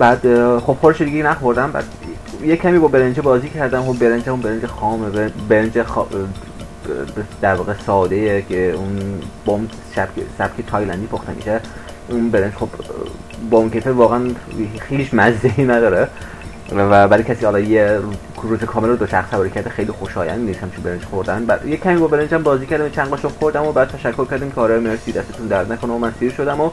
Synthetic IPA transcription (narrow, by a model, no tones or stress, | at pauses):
bæd̪xob̥xoɾeʃed̪iɟeinæxoɾd̪æmbæ̰d̪ | jecʰæmiːbɒːbeɾend͡ʒebɒːziːcʰæɾd̪æmobbeɾend͡ʒæmunbeɾend͡ʒexɒːmebbeɾend͡ʒex | d̪æɾvɒːɣesɒːd̪ejekʰeunb̥ɔum | ʃæb̥kḛsæb̥kʰet̪ʰɒːjlænd̪iːpʰoxt̪emḭʃe | unbeɾend͡ʒxob̥ | bɒːunkʰet̪ʰevɒːɣæænhiːt͡ʃʰmæzd̪einæd̪ɒːɾe | væbæɾicʰæsiːhɒlɒje | ɾuzekʰɒːmelɾod̪oʃæxsæbɒɾicʰæɾd̪exejlixoʃɒːjæ̰nd̪niːshæmt͡ʃʰinbeɾend͡ʒxoɾd̪ænbæjekʰːæmiːbɒbeɾend͡ʒæmbɒːziːcʰæɾd̪æmt͡ʃʰænʁɒːʃoxoɾd̪æmobæd̪̚t̪ʰæʃækʰːoɾkʰʲæɾd̪iːmkʰeɒːɾɒːjemeɾsiːd̪æst̪et̪und̪æɾd̪nækʰonæmomænsiːɾʃod̪æmo